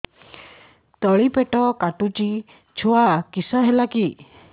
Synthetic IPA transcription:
t̪ɔɭipeʈɔkaʈut͡ʃi | t͡ʃʰuakisaɦelaki

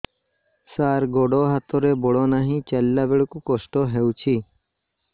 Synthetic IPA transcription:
saːɾɡoːɖoːɦat̪oːɾeːboɽoːnaːɦĩːt͡ʃɐlːaːbeɽkukosʈoːɦeut͡ɕʰiː

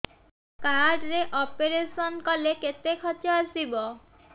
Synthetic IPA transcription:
kaɖɾeʔɔpeɾesɔnkɔleket̪ekʰɔt͡ʃɔasibɔ

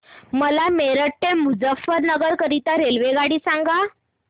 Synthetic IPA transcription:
məlameɾəʈːemud͡zəfːəɾnəɡəɾkəɾit̪aɾelʋeɡaɽiːsãŋɡa

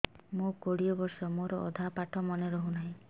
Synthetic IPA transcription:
mokoɽiɔbɔɾsɔmoɾɔʔɔ̰d̪ʱapaʈʰɔmɔneɾɔɦunaɦĩ

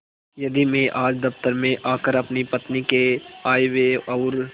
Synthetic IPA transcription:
jɐd̪imẽʔaːd͡ʒd̪ɐft̪əɾmẽʔaːkəɾɐpnipɐt̪nikeaːeweɔːɾ

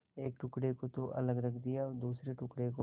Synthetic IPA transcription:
eːk̚ʈʊkɽekot̪oʔɐ̰ləɡɾəɡd̪ijaɔːɾd̪uːsɾeʈʊkɽeko

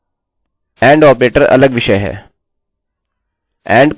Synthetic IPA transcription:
ɛ̃ːɳɖɔːpɾeːʈəɾɐ̰ləɡʋɪʃəjɦɛ̰ː | ɛ̃ːɳɖk

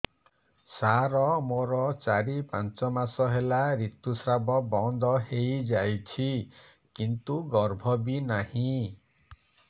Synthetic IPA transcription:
saɾɔmoɾɔt͡ʃaɾipant͡ʃɔmasɔɦelaɾit̪usɾabɔbɔnd̪ɔɦejd͡ʒajt͡ʃʰi | kint̪uɡɔɾbʱɔbinahĩ

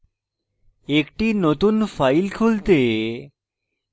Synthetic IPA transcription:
ekʈinot̪unfajlkʰult̪e

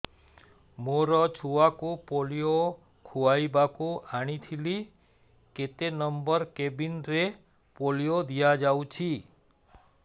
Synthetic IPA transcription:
moɾɔt͡ʃʰuakupolijo | kʰuajbakuaɽ̃it̪ʰili | ket̪enɔmbɔɾkebinɾe | poliod̪ijad͡ʒawt͡ʃʰi

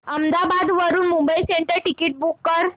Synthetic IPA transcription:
əmd̪abad̪ʋəɾuːnmumbəiseɳʈəɾʈikiʈ̚bukːəɾ

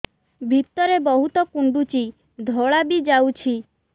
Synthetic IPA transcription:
bʱipt̪ɔɾebɔɦut̪ɔkuɳɖut͡ʃi | d̪ʱɔɭabid͡ʒawt͡ʃʰi

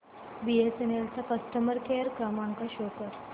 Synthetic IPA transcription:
biesenelt͡sakəst̪əməɾkʰeɾkəmaŋkaɕokəɾ

